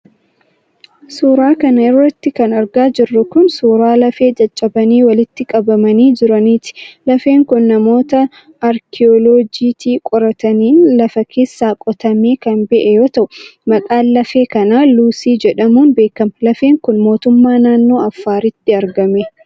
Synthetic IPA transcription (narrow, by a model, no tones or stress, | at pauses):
suːɾaːkɐnɐɪrːɐt̪ːɪkɐnɐɾɡaːd͡ʒɪrːʊkʊnsuːɾaːlɐfe̞ːd͡ʒɐt͡ʃʼːɐbɐniːwɐlɪt̪ːɪkʼɐbɐmɐniːd͡ʒɪɾɐniːt̪ɪ̥lɐfeːŋkʊnːɐmo̞ːt̪ɐː | ɾkʰɪoloːd͡ʒiːt̪iːkʼɔɾɐt̪ɐniːnlɐfɐkʰe̞ːsːaːkʼɔt̪ɐmeːkɐnbɛʔɛjo̞ːt̪ɐʔʊmɐkʼaːlɐfe̞ːkɐnaːluːsiːd͡ʒɛᶑɐmuːnbe̞ːkɐmɐlɐfe̞ːŋkʊnmo̞ːt̪ʊmːaːnaːnːo̞ːɐfːaːɾɪt̪ːɪɐɾɡɐme